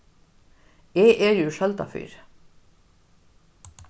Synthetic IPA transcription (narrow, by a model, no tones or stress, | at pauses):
eːʔeːjʉːʃɛlt̪ɑ̰fy̰ːɾ